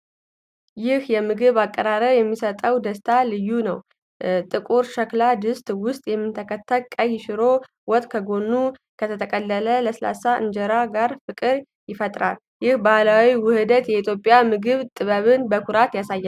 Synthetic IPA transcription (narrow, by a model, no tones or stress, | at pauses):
jɪhjɛmɨɡɨβakʼːəɾaɾəβjɛmːisət̪ʼəwd̪əst̪ʰalɨjːunəw | t̪ʼɨkʼuɾʃəklad̪ɨst̪ʼwʊst̪ʼjɛmːɨnt̪ʰəkʰət̪ʰːəlkʼəjːɪʃɪɾo̞ | wɔt̪ʼkʰəɡo̞nːu | kʰət̪ʰət̪ʰəkʼəlːələləsɨla̰saʔɨ̰nd͡ʒəɾaɡaɾfɨkʼɨɾ | jɪfət̪ʼɾa̰l | jɪhbalawiwʊhɨd̪ət̪jɛit̪ʰjo̞pʼjamɨɡɨβt̪ʼɨβəβɨnbəkʰuɾat̪jasajːa